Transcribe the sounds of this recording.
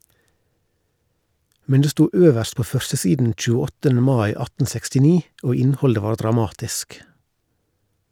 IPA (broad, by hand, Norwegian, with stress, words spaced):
ˈmɛn ˈdeː ˈstuː ˈøːʋəɾst ˈpoː ˈfœɾsəˌsiːdn̩ c͡çʉːəˈɔtən̩ ˈmɑɪ ˈɑtn̩ sɛkstɪˈniː ˈoː ˈɪnhɔldə ˈʋɑː ɖɾɑˈmɑːtɪsk